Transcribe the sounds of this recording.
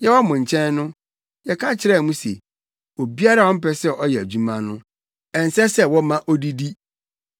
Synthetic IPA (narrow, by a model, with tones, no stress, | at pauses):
jɛ˦wɔ˦mʊ̃˨ɲ˨t͡ɕʰɛ̃˦nːʊ̃˦ | jɛ˨kʰã˦t͡ɕʰɪ˨˦ɾɛ˦˨mũ˦sḛ˨ | o˨bi˦a˦ɾa˦wɔ̃˦m̩˦pɛ˦sɛ˦ʔɔ˦jɛ˨æ˨d͡ʑu˦mã˦nʊ̃˦ | ɛ̃˨n̩˨sɛ˦sɛ˦wɔ˦mã˦ʔɔ˦di˦di˦